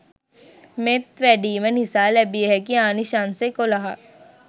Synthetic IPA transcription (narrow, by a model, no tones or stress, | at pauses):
met̪ʋɛɖiːmənisaːlɛbieɦɛkiaːniʃansekolaɦa